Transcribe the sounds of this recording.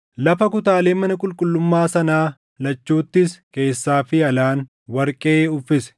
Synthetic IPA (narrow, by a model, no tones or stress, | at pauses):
lɐfɐkʊt̪aːle̞ːmɐnɐkʼʊlkʼʊlːʊmːaːsɐnaː | lɐt͡ʃːuːt̪ːɪske̞ːsːaːfɪɐlaːn | wɐɾkʼeːʊfɪsɛ̥